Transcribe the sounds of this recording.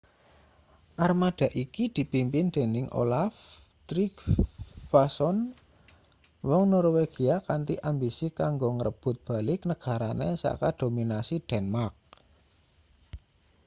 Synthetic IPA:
ʔarmad̪̥a̤ʔikid̪̥i̤pimpɪnd̪̥e̤nɪŋʔo̰laf | t̪ɾikfasɔn | wɔŋnɔɾweɡ̥iakant̪iʔambisikaŋɡoŋəɾəb̥ʊ̤t̪̚b̥a̤lɪknəɡ̥a̤ɾanesa̰kad̪̥o̤minasid̪̥ɛnmark̚

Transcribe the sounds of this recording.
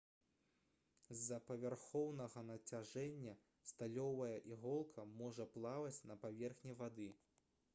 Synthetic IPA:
zːɐpɐvʲarxɔwnɐɣɐnɐt͡sʲaʐɛnʲːɐ | st̪alʲɔvɐjɐʔiɣɔlˠkʰɐmɔʐɐplˠavɐt͡sʲnɐpavʲɛrxnʲivad̪ɨ

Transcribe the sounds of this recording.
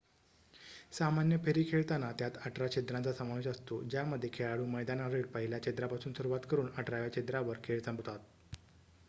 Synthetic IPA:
samanjəpʰeɾiːkʰeɭt̪anat̪jat̪aʈɾat͡ɕed̪ɾãnt͡sasəmaʋeɕəst̪od͡ʑjaməd̪ʱːjekʰeɭaɽuːməjd̪anaɾeɽpəɦiljat͡ɕed̪ɾapasuːnsuɾuʋat̪kəɾuːnaʈɾaʋjat͡ɕed̪ɾaʋəɾkʰeɭsəmbt̪at̪̚

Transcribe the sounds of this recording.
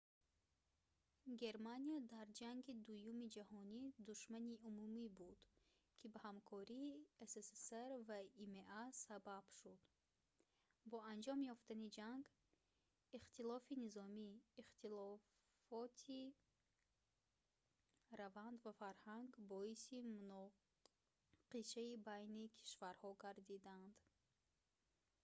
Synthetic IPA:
ɡe̞ɾmaniad̪aɾd͡ʒaŋɡid̪ujumid͡ʒahɔnid̪uʃmaniumumibud̪ | kʰibahamkʰɔɾiːeseseseɾvaimeʔasabab̥ʃud̪ | bɔand͡ʒɔmjɔft̪anid͡ʒaŋɡ | iχt̪ilɔfinizɔmiːχt̪ʰilɔ | fɔt̪ʰi | ɾavand̪vafaɾhaŋɡbɔisimunɔ | qiʃaibajnikʰi̥ʃvaɾhɔɡaɾd̪id̪and̪

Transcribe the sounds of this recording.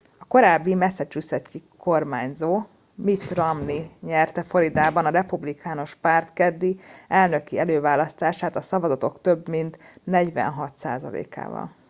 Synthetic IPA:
ɒko̞ɾaːbːimɛsɛt͡ʃysɛcːikʰo̞rmaːɲzoː | mit̪rɒmniɲɛrt̪ɛfo̞ɾid̪aːbɒnɒɾɛpublikʰaːno̞ʃpaːrt̪kɛd̪ːiɛlnø̞kiɛløːvaːlɒst̪aːʃaːt̪ɒsɒvɒzɒt̪o̞kt̪øbmint̪nɛɟʋɛ̰nɦɒt̪sa̰ːzɒ̰lḛːka̰ːvɒ̰l

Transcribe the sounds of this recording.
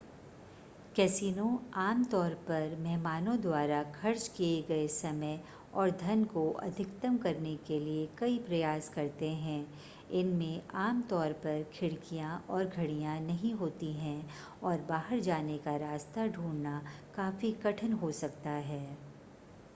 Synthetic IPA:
kɛsiːnõaːmt̪ɔːɾpɐɾmɛɦmaːnõd̪waːɾakʰɐɾt͡ʃkieɡɐesɐməj | ɔːɾd̪ʱɐnkoʔɐ̰d̪ʱɪkt̪əmkɐɾnekeliekɐipɾɐjaːskɐɾt̪eɦɛ̃ː | ɪnmẽʔaːmt̪ɔːɾpɐɾkʰɪɽkijãʔɔːɾɡʱɐɽijãnɐɦĩɦoːt̪iɦɛ̃ | ɔːɾbaːɦəɾd͡ʒaːnekaɾaːst̪aɖʱuːɽnakaːfikɐʈʰənɦosɐk̚t̪aɦɛː

